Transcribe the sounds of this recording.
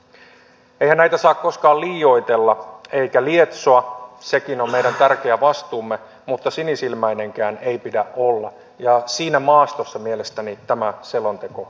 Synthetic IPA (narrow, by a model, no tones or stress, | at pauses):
eijhænæjt̪æsɑːkko̞skɑːliːjo̞it̪e̞lːɑe̞ikæliet̪soɑsekino̞mmejdænt̪ærkeæʋɑst̪uːmːe | mut̪ːɑsinisilmæine̞ŋkæːne̞ipidæʔolːɑ | jɑsiːnæmɑːst̪osːɑmiele̞st̪ænit̪æmæselont̪eko